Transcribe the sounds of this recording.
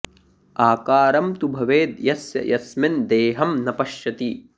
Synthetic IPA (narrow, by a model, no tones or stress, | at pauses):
aːkaːɾɐmt̪ubʱɐʋeːd̪jɐsjɐ̰jɐsmend̪eːɦɐmnɐpɐʃjɐt̪i